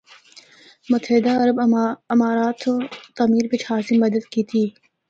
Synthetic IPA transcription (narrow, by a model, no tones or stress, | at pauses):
mʊt̪əɦɪd̪aɐɾəbɪmaːɾaːt̪ʰot̪aːmiːɾbɪt͡ʃʰhaːsimɐd̪əd̪kiːt̪ʰiː